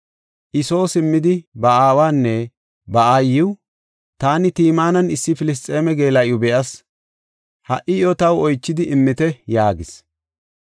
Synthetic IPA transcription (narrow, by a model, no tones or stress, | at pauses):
ʔɪso̞ːsɪmːɪd̪ɪbɐaːwaːnːɛ | bɐʔaːjɪw | t̪aːnɪt̪iːmaːnɐnɪsːɪfɪlɪs̬t̪ʼːe̞ːmɛɡe̞ːlɐʔjʊbɛʔɐs | hɐʔɪjɔt̪ɐwɔjt͡ʃːɪd̪ɪʔɪmːɪt̪ɛjaːɡɪs